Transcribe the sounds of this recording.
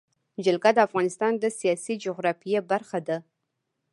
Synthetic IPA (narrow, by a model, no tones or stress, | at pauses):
d͡ʒalɡad̪əafɣɑnɪst̪ɑnd̪əsijɑsid͡ʒʊɣɾɑfijebaɾxad̪a